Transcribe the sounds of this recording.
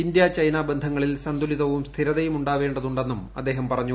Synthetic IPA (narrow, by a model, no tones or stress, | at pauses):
ind̪jɐt͡ɕɐjnaːbend̪ʱɐŋːɐɭilsɐnd̪ʱuliðɐʋumst̪ʰiɾɐðɐjumuɳɖaːʋe̞ːɳɖɐðuɳɖe̞nːumɐ̰d̪ːe̞ːɦɐmpɐrɐɲːu